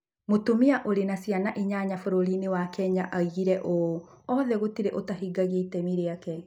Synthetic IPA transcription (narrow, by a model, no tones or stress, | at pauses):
motumiaʔoɾenasjanaʔiɲaɲafoɾoɾinewakɛɲaʔaiɣiɾɛʔoɔðɛɣotiɾeʔotaɦiɡaɣetɛmiɾeakɛ